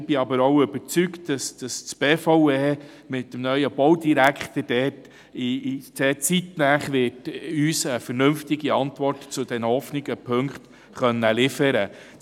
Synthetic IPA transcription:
b̥ɪɑbəɾowʏbəɾt͡syktd̥ɑsd̥ɑst͡sb̥eːfoʊeː | mɪtːəmnœʏəb̥ɔwdiɾækχt̪əd̥ɛːt | idɛt͡sitnæːχʋɪtyːsəfəɾnɵmftɪɡiɑntvɔrtt͡sʊd̥ɛnhɔfnɪɡəpʰɵŋkχt̪ | χœnːəlɪfəɾə

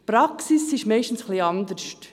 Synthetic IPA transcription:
pɾɑksisɪʃmɛɪʃtn̩sχliɑnd̪əɾʃt

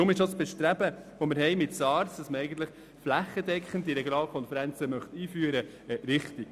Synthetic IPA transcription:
ʊmɪʃosb̥ɛʃtɾæbəʋoməɾɦɛɪmɪtsɑːɾsd̥ɑsməɛɪɡən̩t̪ləχ | flæχːəd̥ɛkχən̩diɾɛɡjonɑːlkʰɔnfɛɾænt͡səmœχt̪iːfyəɾə | ɛɾɪχtik

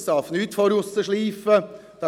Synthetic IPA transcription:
st̪ɑːfn̩ʉːt̪fɔɾʊsəʂɭiːfəd̪̥ɑ

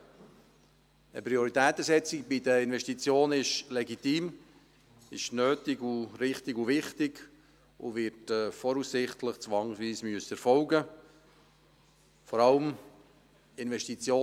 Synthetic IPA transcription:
əpɾioɾit̪ɛːt̪əsɛt͡sɪk̚bid̪əɪnvɛʃtit͡sjoːnɪʃlɛɡit̪iːm | ɪʃnøːtɪɡuɾɪχt̪ɪɡuvɪχt̪ɪɡ | ṵʋɪtɛfɔɾussɪχtləχt͡sʋɑŋsʋiːsmyəsəɾfɔʊɡə | fɔɾɑləm | ɪnvɛʃtit͡sjoː

